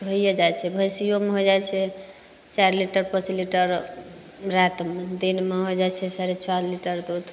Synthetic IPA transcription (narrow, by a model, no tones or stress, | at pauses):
bʱoijed͡ʒajt͡ʃʰɛbʱəjsijomeɦojd͡ʒajt͡ʃʰɛ | t͡ʃaɾliʈəɾpət͡ʃliʈəɾ | ɾat̪med̪inmeɦod͡ʒajt͡ʃʰɛsaɾet͡ʃʰaɾliʈəɾd̪ud̪